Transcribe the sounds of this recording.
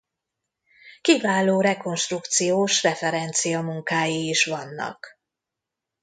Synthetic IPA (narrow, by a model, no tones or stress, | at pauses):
kivaːloːɾɛko̞nʃt̪rukt̪sijoːʃrɛfɛɾɛnt̪sijɒmuŋkaːjiːʃʋɒnːɒ̰k